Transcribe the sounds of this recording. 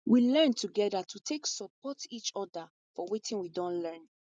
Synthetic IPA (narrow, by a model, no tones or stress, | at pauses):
wilɛ̃ntʰuɡɛdatʰutʰeksɔpɔtit͡ʃɔda | fɔwitĩnwidɔ̃nlɛ̃n